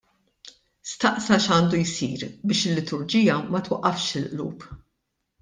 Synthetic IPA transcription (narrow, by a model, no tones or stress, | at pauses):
st̪ɐʔsɐʃɐːnd̪ujsiːɾbɪːʃɪlːɪt̪ʰʊɾd͡ʒiːjɐmɐt̪wɐʔːɐfʃɪlʔlṵːp